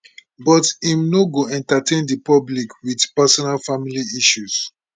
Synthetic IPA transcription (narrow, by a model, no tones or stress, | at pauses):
bɔtimnoɡoɛ̃ntatẽndipɔblikwidpɛsɔnalfamiliiʃus